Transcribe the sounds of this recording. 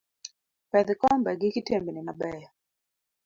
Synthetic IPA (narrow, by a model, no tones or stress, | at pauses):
pɛd̪kɔmbɛɡɪkɪtembinɪnabɛja